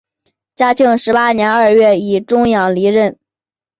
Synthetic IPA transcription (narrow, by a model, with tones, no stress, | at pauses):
t͡ɕja˥t͡ɕʰi˥˧ŋʂɻ̩˧˥pa˥njɛ˧˥nə˞˥˧ɥɛ˥˩i˨˩ʈ͡ʂʊ˥ŋjɑ˨˩ŋli˧˥ɻə˥˩n